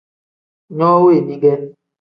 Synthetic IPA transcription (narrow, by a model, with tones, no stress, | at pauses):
ɲɔ˦we˦˨ni˦ɡɛ˦n